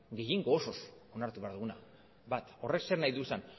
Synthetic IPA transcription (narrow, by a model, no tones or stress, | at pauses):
ɡe̞jeŋɡo̞ːso̞so̞naɾt̪uβe̞aɾðuɣuna | bat̪o̞re̞kse̞ɾnajðuesan